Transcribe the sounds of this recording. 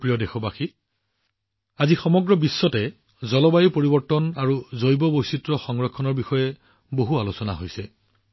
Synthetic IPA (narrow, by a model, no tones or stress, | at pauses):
pɹijɔdɛxɔbaxi | azixɔmɔɡɹɔbisːɔtɛ | zɔlɔbajipoɹibɔɹtɔnaɹuzojbɔbojsitɹɔxɔŋɹɔkʰːɔnɔɹbixɔjɛ | boɦualosɔna̰ɦojsɛ